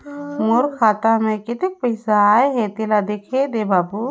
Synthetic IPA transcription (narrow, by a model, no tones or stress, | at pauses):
moɾkʰaːt̪amẽkɪt̪ɪk̚pəjsaːeɦɛt̪elad̪ekʰed̪ebabu